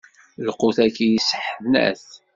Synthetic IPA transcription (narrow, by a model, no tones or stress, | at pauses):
lqʊθækːijisə̥ħənnæ̰θ